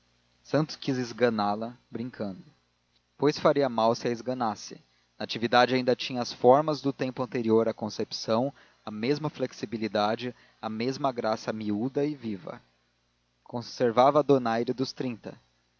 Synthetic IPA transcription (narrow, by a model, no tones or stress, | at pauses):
sɐ̃nt̪ʊ̥skizɪzɡɐnalɐbɾĩŋkʰɐ̃nd̪ʊ | pojsfaɾiɐmawsɪɐɪzɡɐnasɪ̰ | nɐat͡ʃivid̪ad͡ʒɪaĩnd̪ɐt͡ʃĩɲɐɐsfɔɾmɐzd̪ʊt̪ẽmpʊɐ̃nt̪eɾioɾɐkõsepi̥sɐ̃w̃ | ɐmezmɐfleksibilid̪ad͡ʒɪ | ɐmezmɐɡɾasɐmiud̪ɐɪvivɐ̰ | kõseɾvavɐd̪onajɾɪd̪ʊst̪ɾĩnt̪ɐ̰